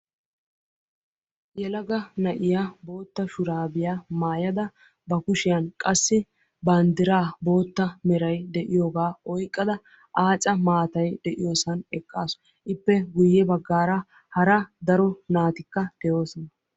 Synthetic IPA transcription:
jɛlɐɡɐnɐʔɪjabo̞ːt̪ːɐʃʊɾaːbɪjaːmaːjɐd̪ɐ | bɐkʊʃɪjɐnkʼɐsːɪ | bɐnd̪ɪɾaːbo̞ːt̪ːɐmɛɾɐjd̪ɛʔɪjo̞ːɡaːɔjkʼːɐd̪ɐ | ʔaːt͡ʃʼɐmaːt̪ɐjd̪ɛʔɪjoːsɐnɛkʼːaːsɔ | ʔɪpːɛɡʊjːɛbɐɡːaːɾɐ | hɐɾɐd̪ɐɾɔnaːt̪ɪkːɐd̪̥ɛjo̞ːsɔnɐ

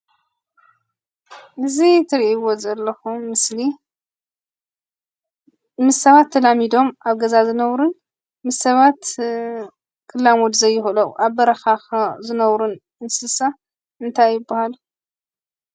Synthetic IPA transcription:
ʔɨzit̪ʰɨɾiʔiwo̞zɐlːɐxumːɨsli | mɨsːɐβat̪ʰːɐlamid̪o̞maβɡɐzazɨnɐwɾɨn | mɨsɐβat̪ | kʰɨlːamot̪zɐjːɪxlɐwʔaβbɐɾɐxaxzɨnɐwɾun | ɨnsɨsa | ɨnt̪ʰajːɪbːahalu

